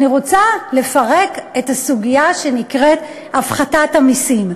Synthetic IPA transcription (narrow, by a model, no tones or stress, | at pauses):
niʁo̞t͡sale̞faʁe̞ketasuɡijaʃe̞nikʁe̞t | afχatathamisim